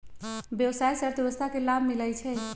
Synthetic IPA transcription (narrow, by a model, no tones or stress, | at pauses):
bjəwsajsəɾt̪əbəst̪ʰakelabʱmilɛjt͡ʃʰɛ